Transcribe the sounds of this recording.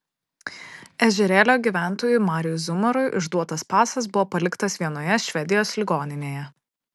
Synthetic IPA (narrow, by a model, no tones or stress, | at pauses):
ɛʒʲɛɾʲɛːlʲoːɡʲiːˑʋʲæˑnˑt̪oːjʊmɑːɾʲɪjʊzʊmɐɾʊjʔʊ̰ʒd̪uɔt̪ɐspɑːsɐsbʊʋɔːpɐlʲɪkt̪ɐsʋʲiɛnoːjɛʃʲʋʲɛd̪ʲɪjoːslʲɪɡoːnʲɪnʲeːjɛ